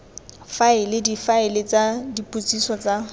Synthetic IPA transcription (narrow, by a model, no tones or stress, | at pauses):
faɪlɪdifaɪlɪt͡sadipʼut͡sʼisɔt͡sa